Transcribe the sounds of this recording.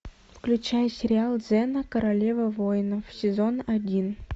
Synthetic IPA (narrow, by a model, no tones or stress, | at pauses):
fklʲʉt͡ɕæjəsʲɪɾʲɪalˠd̪zɛnəkəɾɐlʲevəvojnəfsʲɪzo̞nɐdʲin